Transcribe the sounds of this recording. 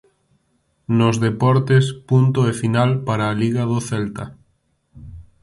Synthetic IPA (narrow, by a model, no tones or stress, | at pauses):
nozðepɔɾt̪espunt̪oefinalpaɾaːliɣɐðoθɛlt̪ɐ